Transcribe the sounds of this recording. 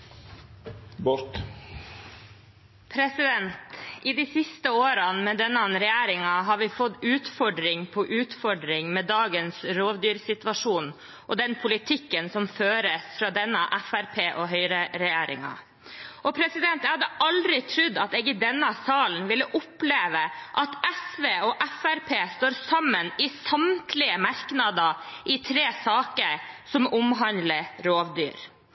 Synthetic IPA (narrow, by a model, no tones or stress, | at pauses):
bɔɾt̪ | pʰɾɛsɪd̪ɛnt̪ɪd̪isɪst̪əoːɾɑnmɛd̪ɛnːənɾɛjæːɾɪŋɑɦɑɾʋɪfɔd̪ʉːt̪fɔɖɾɪŋpʰɔʔʉːt̪fɔɖɾɪŋmɛːd̪ɑːɡənsɾoːʋd̪yːɾsɪt̪ʋɑʂuːn | ʔɔd̪ɛnpʰʊlɪt̪ʰɪkːənsɔmføːɾəsfɾɑːd̪ɛnːəʔæfæɾpʰeːʔɔɦœʏɾəɾɛjeːɾɪ̰ŋɑ̰ | ʔɔpʰɾɛsɪd̪ɛnt̪jɛhɑd̪ːəʔɑld̪ɾɪt̪ʰɾʉd̪ːɑt̪ɛɡɪd̪ɛnːəsɑːln̩ʋɪlːəʔʊpleːʋəʔɑt̪ɛsʋeːɔʔæfæɾpʰeːst̪oːɾsɑmːənɪsɑmt̪ʰlɪəmɑɾknɑd̪əʔɪt̪ʰɾeːsɑːkəɾsɔmʊmɦɑnləɾoːʋd̪y̰ːɾ